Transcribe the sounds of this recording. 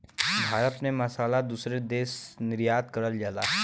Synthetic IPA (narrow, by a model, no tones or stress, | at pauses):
bʱaːɾət̪mẽmɐsaːlad̪uːsɾed̪eːsnɪɾjaːd̪̚kɐɾəld͡ʒalaːɦ